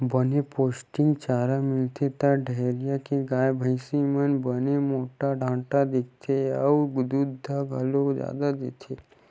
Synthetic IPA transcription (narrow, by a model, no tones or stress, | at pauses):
bənepoːsʈɪ̃ŋɡt͡ʃaːɾamɪlt̪ʰet̪aɖʱeɾjakeɡaːjbʱəɪsimənbənemoːʈaɖʱãːʈad̪ɪk̚t̪ʰeəwɡʊd̪ud̪ʱːaɡʱəlod͡ʒja̰ːd̪ad̪et̪ʰe